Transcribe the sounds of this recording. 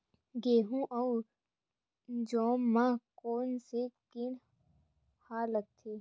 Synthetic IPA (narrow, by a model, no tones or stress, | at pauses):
ɡeːɦũʔɔw | d͡ʒɔːmːãkoːnsekɪn | haːlək̚t̪ʰeː